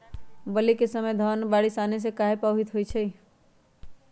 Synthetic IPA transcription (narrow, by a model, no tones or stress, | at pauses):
bəlikesəməjd̪ʱənbaːɽisanes̬ekaːɦepaːɦit̪ɦoit͡ʃʰɛi